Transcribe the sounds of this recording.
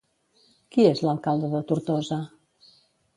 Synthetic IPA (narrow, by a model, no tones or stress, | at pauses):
kiezləlˠkalˠd̪əðət̪uɾt̪ɔzə